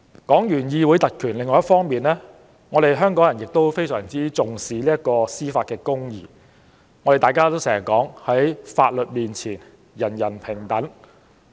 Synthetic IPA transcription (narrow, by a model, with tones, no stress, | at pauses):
kɔː˨˥ŋjyː˨˩njiː˧wuː˨˥jt̪ɐ˨t̚kʰyː˨˩nlɪ˨ŋːɔː˨˦jɐ˥fɔː˥ŋmiː˨nlɛː˥ | ŋɔː˨˧ɾe˨jɦœː˥ŋkɔː˨˥ŋjɐ˨˩njɪ˨k̚t̪o˥wfe˥jsœː˨˩ŋt͡siː˥t͡sʊ˨ŋsiː˨˧liː˥jɐ˥t̚kɔː˧siː˥faː˧t̚kɛː˧kʊ˥ŋjḭː˨˧ | ŋɔː˨˧ɾe˨jt̪aː˨jkaː˥t̪o˥wsɛː˨˩˨kɔː˨˥ŋhɐ˨˥jfa̰ː˧t̚lɵ˨t̚miː˨nt͡sʰiː˨˩n | jɐ˨˩njɐ˨˩npʰɪ˨˩ŋt̪ɐ˨˥n